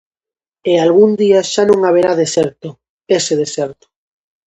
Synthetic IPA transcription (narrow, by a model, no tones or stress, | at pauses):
ealɣund̪iaʃanõŋaβ̞eɾaðesɛɾt̪o | eseð̞esɛɾt̪o̥